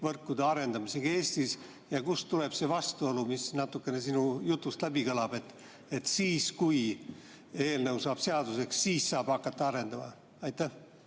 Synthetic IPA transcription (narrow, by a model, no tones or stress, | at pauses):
vɤrkːˑud̪̥eɑɾe̞nd̪̥ɑmise̞ɡ̥ɑe̞ːst̪is | jɑkust̪ule̞b̥se̞vɑst̪uo̞lumisnɑt̪ːˑukːˑe̞ne̞sinujut̪ˑːust̪læbikɤlɑb̥e̞t̪ːˑ | e̞t̪siːskuj | e̞ːlnəwsɑːb̥se̞ɑd̪use̞ksːiːssɑːb̥hɑkːˑɑt̪ːɑɑɾe̞nd̪ɑmɑ̰ | ɑjt̪ːæ